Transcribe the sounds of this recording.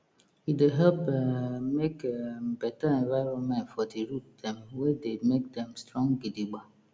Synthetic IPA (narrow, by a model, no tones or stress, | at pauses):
ideɦɛlpɛmekɛbɛtaɛ̃nvaɪɹɔ̃nmɛ̃ntfɔdiɹut̚dɛ̃mwedemek̚dɛ̃mstɹɔ̃ŋɡidiɡ͡ba